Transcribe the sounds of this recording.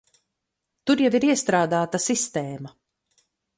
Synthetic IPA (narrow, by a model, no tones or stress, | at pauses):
t̪uɾjaviɾiɛst̪ɾaːd̪aːt̪asist̪ɛːma